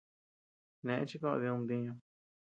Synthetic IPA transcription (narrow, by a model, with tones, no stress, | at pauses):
nẽ˨ʔḛ̃˦t͡ʃi˦kõ̰˦˧ði˧ũ˧nd̪ĩ˧ɲũ˧